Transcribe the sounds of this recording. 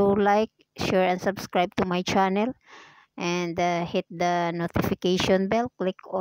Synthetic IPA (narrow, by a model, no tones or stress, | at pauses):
ulajk̚ʃuɹɛ̃nd̪sabskɹajb̚t̪umajt͡ʃanɛl | ʔɛ̃nd̪hɪt̪̚d̪ɐnot̪ɪfɪkejʃɔ̃nbɛlklɪkɔ